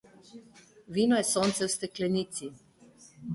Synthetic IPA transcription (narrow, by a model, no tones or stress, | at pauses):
ʋiːnɔjɛsoːnt̪sɛwst̪ɛklɛniːt̪si